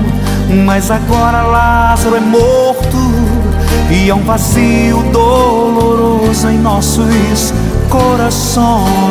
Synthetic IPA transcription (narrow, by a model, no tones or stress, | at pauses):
mazaɡɔɾɐlazaɾʊɛmoɾt̪ʊ | iɛũvazi | ʊd̪o | loɾozʊẽj̃nɔsʊ | s | koɾas | õ